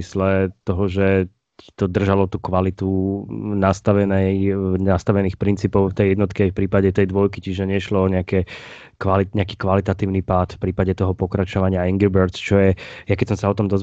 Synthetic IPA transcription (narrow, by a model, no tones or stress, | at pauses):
islɛt̪ɔɦɔʒɛ | t̪ɔd̪r̩ʒalɔt̪uːkʋalit̪unast̪aʋɛnɛjnast̪aʋɛniːxpɾint͡siːpɔʊft̪ɛjɛd̪nɔt̪kɛajfpɾiːpaɟɛt̪ɛjd̪ʋɔjkit͡ʃiʒɛɲɛʃlɔːɲɛakɛ | kʋaliɲɛakiːkʋalit̪at̪iːʊnipaːt̪fpɾiːpaɟɛt̪ɔɦɔpɔkɾat͡ʃɔʋaɲɪaiŋɡibɛɾt͡st͡ʃɔjɛjakɛcsɔmsaɔt̪ɔmd̪ɔz